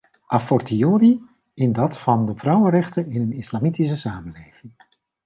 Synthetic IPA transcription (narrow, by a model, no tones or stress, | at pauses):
ʔafɔrtioːɾi | ɪndɑtfɑndəvrʌwəɾɛχtəɪnɦənɪslamitis̬əsaːmənlejv̥ɪŋ